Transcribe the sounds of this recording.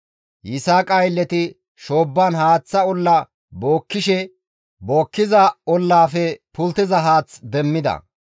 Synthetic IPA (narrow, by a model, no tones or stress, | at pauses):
jɪsaːkʼɐjlːɛt̪ɪ | ʃo̞ːbːɐnhaːt͡sːɐɔlːɐ | bo̞ːkːɪʃɛ | bo̞ːkːɪzɐɔlːaːfɛpʊlt̪ːɪzɐɦaːt͡sd̪ɛmːɪd̪ɐ̰